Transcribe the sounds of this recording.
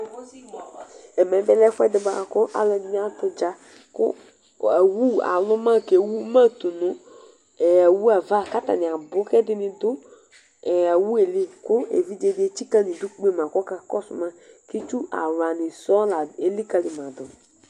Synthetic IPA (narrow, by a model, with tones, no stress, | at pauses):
ɛ˨mɛ˨˦bɛ˦lɛ˦fɛ˦dɪ˨˦ba˨kʊ˦ʔa̰˨lɛ˨n˦m˦a˦tʊ˦d͡ʒa˦ | kʊ̰˦˨ | wu˦a̰˨lʊ˦mã˦˨ke˨wu˦mã˦t̪ʊ˨nʊ˦˨ | a˨wu˦a˨va˦ka˦t̪a̰˨nɪ̃˨a˨bʊ˦kɛ˦dɪ˦nɪ˨d̪ʊ˦˨ | a˨wu˦e˨li˦kʊ˦ḛ˨vi˦d͡ʒe˦˨dɪ˦e˦t͡ʃi˦ka˦nɪ̃˨d̪ʊ˦k͡pe˦˨mã˨kɔ˦ka˦kɔ˦sʊ̰˨mã˦ | ki˦t͡ʃu˦a̰˨wa˨nɪ˨sɔ˦la˨e˨li˦ka˨lɪ˨mã˨d̪ʊ˨